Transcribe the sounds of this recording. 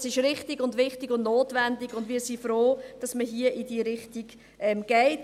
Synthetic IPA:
sɪʃɾɪχtɪɡʊndʋɪχtiɡʊndnoːtvɛndɪɡ̥ʊndviːsifɾoːd̥ɑsməɦiəʔidiːɾɪχtiɡ | ʔɛmɡ̥ɛɪt

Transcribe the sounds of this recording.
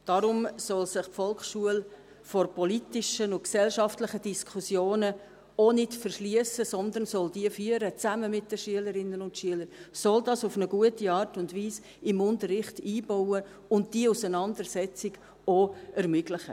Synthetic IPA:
d̥ɑɾʊmsɔlsɪχpfɔlkχʃuəl | fɔɾpɔlitɪʃənʊntksɛlʃɑftlɪχəd̥iskʰusjoːnə | onɪtfərʃliəsəsɔnd̪ənsɔld̥iəfyəɾət͡sæməmɪt̚d̥əʃyələɾɪnːənʊntʃyələɾsɔldɑːsʊfnəɡ̥uətiɑːrtʊndviːs | ɪmʊntəɾɪχtiːb̥ɔwə | ʊnt̚d̥iəusənɑndəɾsɛt͡sɪɡ̥ | oɛɾmʏɡlɪχə̰

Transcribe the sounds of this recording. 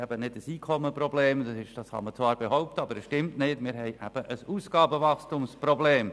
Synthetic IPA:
ɛb̥ənɪdəsiːkʰɔməprɔbleːmd̥ɑsɪʃd̥ɑshɑ̰mət͡svɑːɾb̥eɦɔʊp̚təɑb̥əɾəsʃtɪmtnɪtmɪːɾɦɛɪʔɛb̥əʔəsuːsɡ̥ɑːbəvɑxstumsprɔbleːm

